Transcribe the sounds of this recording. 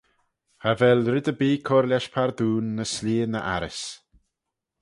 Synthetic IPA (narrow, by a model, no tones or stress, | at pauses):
havɛlɾɪd̪əbiːkʰɔɾlʲaʃpʰaɾd̪uːnːəsliːənəʔa̰ɾɪs